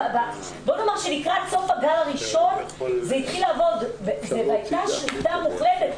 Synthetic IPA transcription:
va | bonamaʁʃenikʁatso̞faɡalaʁiʃo̞nzeitχilaːvo̞d̪vezeveajt̪aʃlit̪amuχletet

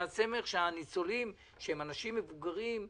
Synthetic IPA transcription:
at͡se̞me̞χʃeanit͡so̞lim | ʃehemanaʃimːevuɡaʁim

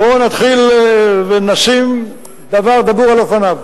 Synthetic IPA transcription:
bonat̪χilvenaʃim | d̪avaʁd̪abuʁalofanav

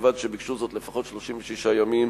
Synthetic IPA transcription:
vad̪ʃebikʃuzot̪lefaχo̞t̪ʃloʃimveʃiʃajamim

